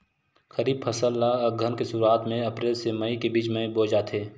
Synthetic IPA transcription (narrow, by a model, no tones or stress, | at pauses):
xəɾiːb̚pʰɐsəlːaɡʱənkesuːɾaːt̪mẽɐpɾeːlseməikebiːt͡ʃməiboːd͡ʒaːt̪ʰeː